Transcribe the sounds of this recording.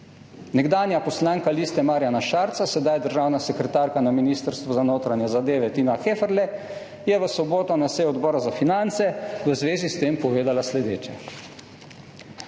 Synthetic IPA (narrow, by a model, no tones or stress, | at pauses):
nɛɡd̪aːnjapɔslaːŋkalist̪ɛmaːɾjanaʃaɾt̪sasɛd̪ajd̪əɾʒaːwnasɛkɾɛt̪aːɾkanaminist̪əɾst̪ʋɔzanoːt̪ɾanjɛzad̪eːʋɛt̪iːnaxeːfəɾlɛ | jɛʋəsɔboːt̪ɔnasɛjɔd̪bɔːɾazafinant̪sɛʋəzʋeːzist̪eːmpɔʋeːd̪alaslɛd̪eːt͡ʃɛ̰